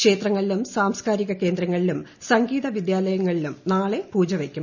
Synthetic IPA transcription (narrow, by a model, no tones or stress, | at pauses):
kʂe̞ːt̪rɐŋːɐɭilumsaːmskaːɾiɣɐke̞ːnd̪ɾɐŋːɐɭilumsɐŋɡiːðɐʋid̪jaːlɐjɐŋːɐɭilumnaːɭe̞puːd͡ʑɐʋekʲːum